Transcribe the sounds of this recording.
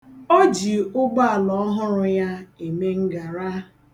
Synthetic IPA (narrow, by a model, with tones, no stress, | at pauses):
o˦d͡ʒi˨ʊ˦ɡ͡ba˦a˨lɔ˨˦ɔ˦ɦʊ˦ɾʊ˦ja˦e˨me˦ŋ̩˦ɡa˨ɾa˦